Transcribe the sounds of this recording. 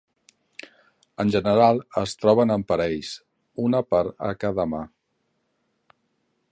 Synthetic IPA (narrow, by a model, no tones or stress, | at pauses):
ənʲʒənəɾalˠəst̪ɾɔβ̞ənəmpəɾɛʎs | unəpaɾə̰kaðəma